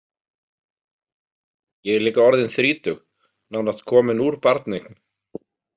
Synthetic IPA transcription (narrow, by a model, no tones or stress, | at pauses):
jɛɣɛɾliːkaɔɾðɪnθɾiːt̪ʏx | nawnast̪̚kʰɔːmɪnuɾ̥paɾt̪nekn